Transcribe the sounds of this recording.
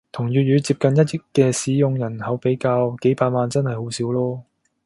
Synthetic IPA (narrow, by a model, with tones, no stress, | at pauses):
t̪ʰʊ˨˩ŋjyː˨t̚jyː˨˧t͡siː˧p̚kɐ˨njɐ˥t̚jɪ˥kːɛː˧siː˨˥jʊ˧ŋjɐ˨˩nhɐ˨˧˥wpe˨˥jkaː˧wke˨˥jpaː˧t̚maː˨˧nt͡sɐ˥nhɐ˨jho˨˥wsiː˨˥wlɔː˥